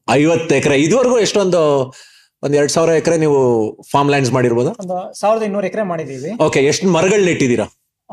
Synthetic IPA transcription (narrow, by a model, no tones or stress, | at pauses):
ɐjʋɐt̪ːɛkɐɾe̞id̪ʋɐɾɐɡuːeʂʈond̪u | ond̪ɛɾɐɽusaːʋiɾɐɛkɐɾe̞niːʋupʰaːɾmlɐjns̬maːɽiɾbo̞ːd̪uond̪usaːʋiɾɐd̪ɐinnuːɾɛkɐɾemaːɽid̪iʋio̞ːke̞eʂʈnmɐɾɐɡɐɭniʈːid̪iːɾɐ